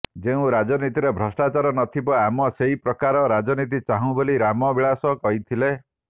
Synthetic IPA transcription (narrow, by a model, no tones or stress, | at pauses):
d͡ʒeũɾad͡ʒɔnit̪iɾebʱɾɔsʈat͡ʃaɾɔnɔt̪ʰibɔamɔseɦipɾɔkaɾɔɾad͡ʒɔnit̪̬it͡ʃaɦũboliɾamɔbiɭasɔkɔɦit̪ʰile